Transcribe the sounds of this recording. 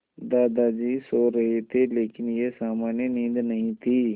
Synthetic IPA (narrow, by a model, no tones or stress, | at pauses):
d̪aːd̪ad͡ʒiːsoːɾɐɦet̪ʰeleːkɪnjesaːmaːnjənĩnd̪nɐɦĩt̪ʰiː